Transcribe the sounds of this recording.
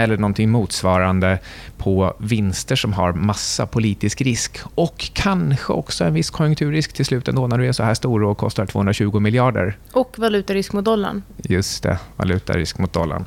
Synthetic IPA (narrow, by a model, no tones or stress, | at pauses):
ɛlːəɳɔnt̪ʰɪŋmuːt̪svɑːɾand̪əpʰɔvɪnst̪əʂɔmɦa̰ɾmasːa̰pʰʊliːt̪ɪskɾɪskɔkʰːanɧə̰ɔ̰ksɔɛnvɪsːkʰɔjɵŋkt̪ʰʉ̟ːɾɪskt̪ʰɪlslʉ̟ːt̪ɛ̰nd̪oːnæɖɵæʂɔhæːʂt̪uːɾokʰɔ̰st̪aʈʰvoːhɵnɾaɕʉ̟ːɡʊmɪljɑːɖə̰ɾ | ɔkvalʉ̟ːt̪aɾɪskmʊt̪̚d̪ɔlːa̰ɳjɵst̪ʰɛ̰va̰lʉ̟ːt̪a̰ɾɪ̰skmʊt̪̚d̪ɔlːa̰ɳ